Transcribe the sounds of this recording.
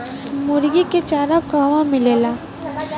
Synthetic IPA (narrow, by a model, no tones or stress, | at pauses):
mʊɾɡiket͡ʃaːɾakəɦʋamɪleːlaː